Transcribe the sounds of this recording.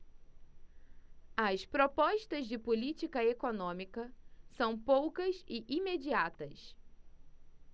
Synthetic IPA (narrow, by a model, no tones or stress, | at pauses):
ɐspɾopɔʃt̪ɐzd͡ʒɪpulit͡ʃikɐekonõmikɐsɐ̃w̃powkɐsɪʔimed͡ʒiat̪ɐs